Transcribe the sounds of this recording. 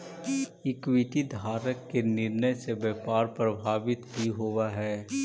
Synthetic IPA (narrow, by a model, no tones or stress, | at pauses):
ɪkwɪʈid̪ʱaːɾəkːenɪɾnəjsebɛːpaːɾpɾəbʱaːʋɪt̪ɦiɦoʋaɦɛː